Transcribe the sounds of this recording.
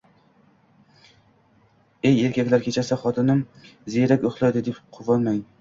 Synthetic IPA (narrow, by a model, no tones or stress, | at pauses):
eje̞ɾkʲʰakʲlaɾkʲʰe̞t͡ʃʰasaχɒt̪ʰɪnɪmzeɾakʲoχlˠajd̪ɪd̪epqʰʊvɒnmaŋ